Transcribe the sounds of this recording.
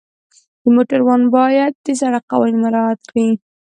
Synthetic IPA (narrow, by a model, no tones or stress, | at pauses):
d̪̥əmoʈaɾwɑnbɑjad̪̚ːəsaɾaqa̰wɑnimaɾɑat̪kɽi